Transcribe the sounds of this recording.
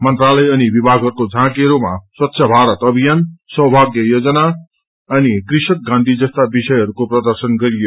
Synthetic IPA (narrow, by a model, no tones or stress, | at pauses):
mʌnt̪ralʌjʌnibibʱaɡɦʌɾukod͡zʱãkiɦʌɾuma̰swʌt̪ːɕʰʌbʱaɾʌt̪ʌbʱijansʌɦbʱaɡjʌjod͡zʌna | ʌnikrisʌk̚ɡãnd̪ʱid͡zʌst̪abisʌjɦʌɾukoprʌd̪ʌrsʌnɡʌɾijo